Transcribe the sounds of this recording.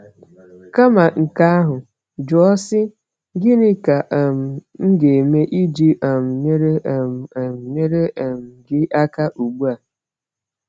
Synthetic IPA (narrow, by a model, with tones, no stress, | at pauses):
ka˦ma˨ŋ̩˨ka˦a˦ɦʊ˨ | d͡ʒʊ˨ɔ˦sɪ˦ | ɡɪ˦nɪ˦ka˨ʔm̩˨ŋ̩˦ɡe˨e˨me˦ʔi˦d͡ʒi˦ʔa˨m̩˨ɲe˦ɾe˦˨m̩˨ɲe˦ɾe˦e˨m̩˨ɡɪ˦ʔa˦ka˦ʔu˨ɡ͡bu˦a˨